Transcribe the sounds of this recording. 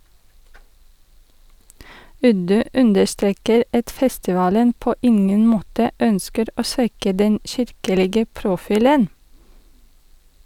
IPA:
ˈʉdʉ ˈʉndəɾˌstɾeːkəɾ ˈɑt ˈfɛstɪˌʋɑːlən ˈpoː ˈɪŋən ˈmoːtə ˈœnskəɾ ˈoː ˈsʋɛkə ˈdɛn ˈçɪɾkəlɪɡə pɾʊˈfiːlən

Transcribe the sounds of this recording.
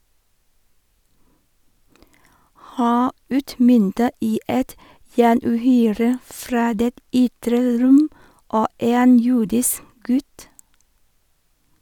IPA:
ˈhæː ˈʉːtˌmʏntə ˈiː ˈɛt jæːɳʉːˈhyːɾə ˈfɾɑː ˈdeːt ˈʏtɾə ˈɾʊm ˈoː ˈeːn ˈjuːdɪsk ˈɡʉt

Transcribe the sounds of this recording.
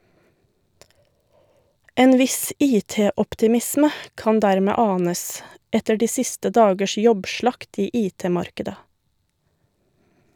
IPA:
ˈeːn ˈʋɪs ˈiːˌteːɔptɪˌmɪsmə ˈkɑn ˈdæɾmɛ ˈɑːnəs ˈɛtə ˈɖiː ˈsɪstə ˈdɑːɡəʃ ˈjɔbˌʃɭɑkt ˈiː ˈʔiːˌteːˌmɑɾkədə

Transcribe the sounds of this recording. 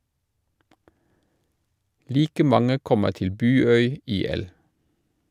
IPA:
ˈliːkə ˈmɑŋə ˈkɔmə ˈtɪl ˈbʉːˌœʏ ˈiːˌɛl

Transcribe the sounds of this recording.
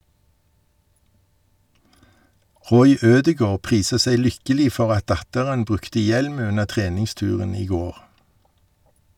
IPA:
ˈʁɔʏ ˈøːdəˌɡoːʁ ˈpʁiːsə ˈsæɪ ˈlʏkəliː ˈfɔʁ ˈɑt ˈdɑtəʁən ˈbʁʉktə ˈjɛlm ˈʉnə ˈtʁeːnɪŋˌstʉːʁən ˈiː ˈɡoːʁ

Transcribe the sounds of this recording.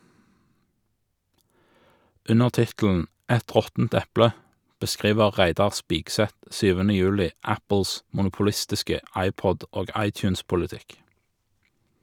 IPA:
ˈʉnəʁ ˈtɪtl̩n̩ ˈɛt ˈʁɔtn̩t ˈɛplə bəˈskʁiːʋəʁ ˈʁæɪdɑʁ ˈspiːɡsɛt ˈsyːʋənə ˈjʉːlɪ ˈæpl̩s mʊnʊpʊˈlɪstɪskə ˈʔɑɪˌpɔd ˈoːɡ ˈɑɪˌtjʉːnspʊləˌtɪk

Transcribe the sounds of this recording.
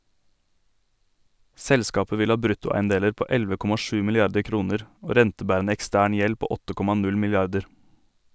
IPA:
ˈsɛlskɑːpə ˈʋɪl ˈɑː ˈbɾʉtʊˌæɪənˌdeːləɾ ˈpoː ˈɛlʋə ˈkɔmɑ ˈʃʉː mɪlɪˈɑɾdə ˈkɾuːnəɾ ˈoː ˈɾɛntəˌbæːɾənə ɛkˈstæːɳ ˈjɛl ˈpoː ˈɔtə ˈkɔmɑ ˈnʉl mɪlɪˈɑɾdəɾ

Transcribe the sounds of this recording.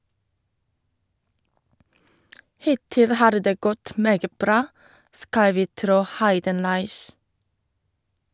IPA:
ˈhɪtɪl ˈhɑːɾ ˈdeː ˈɡɔt ˈmeːɡə ˈbɾɑː ˈskɑl ˈʋiː ˈtɾoː ˈhɑɪdənlɑɪç

